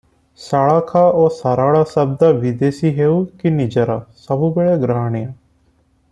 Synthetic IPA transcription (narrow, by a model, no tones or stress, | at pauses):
saːɽaːkʰaːoːsaːɾaːɽaːsəb̚d̪aːʋid̪eːsiːɦeːuːkɪnɪd͡ʒəɾaːsəbuːbeːɭaːɡɾaːɳejãː